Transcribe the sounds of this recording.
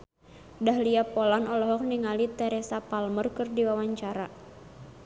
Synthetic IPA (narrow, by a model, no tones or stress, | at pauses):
daɦliapɔlanɔlɔɦɔk̚niŋalit̪ɛɾɛsapalmərkɨrdiwawaɲt͡ʃaɾa